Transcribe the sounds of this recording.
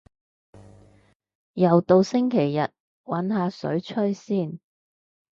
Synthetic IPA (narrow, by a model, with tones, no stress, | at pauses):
jɐ˨˩wt̪o˨˧wsɪ˥ŋkʰe˨˩jːɐ˨t̚ | wɐ˨˥nɦaː˨˧sɵ̰˨˥ɥt͡ʃʰɵ˥ɥsiː˥˩n